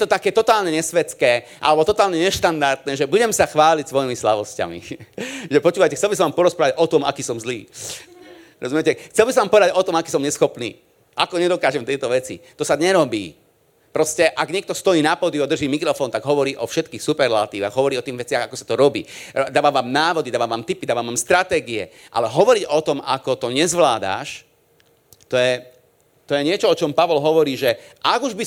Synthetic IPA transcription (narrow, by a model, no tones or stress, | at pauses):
jɛt̪ɔt̪akɛːt̪ɔt̪aːlɲɛɲɛsʋɛt͡skɛːʔa̰lɛbɔt̪ɔt̪aːlɲɛɲɛʃt̪and̪aɾt̪nɛːʒɛbuɟɛmsaxʋaːlicsʋɔjimislaʋɔsca̰mḭʒɛpɔt͡ʃuːʋajcɛxtt͡sɛlbis̬ɔ̃ʋampɔɾɔspɾaːʋaɟɔt̪ɔma̰kiːsɔmzliː | ɾɔ̰zumjɛcɛxt͡sɛlbisɔ̃ʋaːmpɔʋɛd̪aɟɔt̪ɔmakiːsɔmɲɛsxɔpnḭː | ʔakɔɲɛd̪ɔkaːʒɛmt̪ɛjt̪ɔʋɛt͡sḭt̪ɔsaɲɛɾɔbḭː | pɾɔscɛʔaɡɲɪɛkt̪ɔst̪ɔjiːnapɔd̪iɔd̪r̩ʒiːmikɾɔfɔːnt̪aɡɦɔʋɔɾiːʔɔfʃɛt̪kiːxsupɛɾlat̪iːʋa̰xɣɦɔʋɔɾiːɔt̪iːɣʋɛt͡sɪaɣakɔsḁt̪ɔɾɔbḭːd̪aːʋaːʋaːmnaːʋɔd̪id̪aːʋaːʋaːmt̪ipid̪aːʋaːmʋaːmst̪ɾat̪ɛːɡiɛ̰ʔa̰lɛɦɔʋɔɾiɟɔt̪ɔma̰kɔt̪ɔɲɛzʋlaːd̪a̰ʃ | t̪ɔjɛ | t̪ɔjɛɲɪɛt͡ʃɔɔt͡ʃɔmpaʋɔlɦɔʋɔɾiːʒɛʔaɡuʒbi